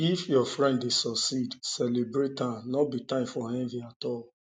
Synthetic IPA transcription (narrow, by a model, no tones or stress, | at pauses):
ifjɔfɹɛ̃ndesɔksidsɛlebɹettãnɔbitãɪ̃mfɔhɛ̃nviatɔl